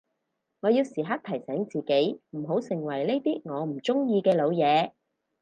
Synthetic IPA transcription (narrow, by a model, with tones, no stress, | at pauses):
ŋɔː˨˧jiː˧wsiː˨˩ɦa˥k̚t̪ʰɐ˨˩jsɛː˨˥ŋt͡siː˨ke˨˥jm̩˨˩ɦo˨˥wsɪ˨˩ŋwɐ˨˩jne˥jt̪iː˥ŋɔː˨˧m̩˨˩t͡sʊ˥ŋjiː˧kɛː˧lo˨˧wjɛː˨˧